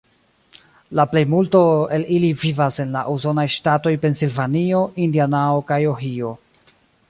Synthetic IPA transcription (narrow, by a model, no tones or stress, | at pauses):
laple̞jmultoe̞lilivivase̞nlaʔuso̞najʃtato̞jpe̞nsilvanio̞indianaokajoɦio̞